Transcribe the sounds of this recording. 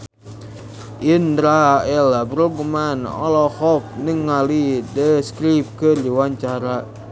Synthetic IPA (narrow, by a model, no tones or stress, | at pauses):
ʔindɾaɛlabəɾubumanɔ̰lɔhɔp̚nəŋːalidəskɾip̚kərdiwaɲt͡ʃaɾa